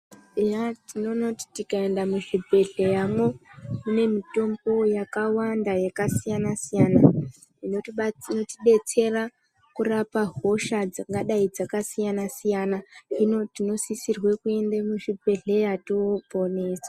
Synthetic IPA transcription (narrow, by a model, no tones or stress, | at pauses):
ejatino̞noti̥tikae̞ndamuʐibʱe̞ɮejamwe̞mune̞mito̞mbo̞jakawandajakasijanasijana | inonotiɓe̞t͡se̞ra | kurapaɦo̞ʃad͡zaŋɡaɗaid͡zakasijanasijanainotino̞sisirwekue̞ndemuʐibʱe̞ɮejatiobʱo̞ne̞ːsḁ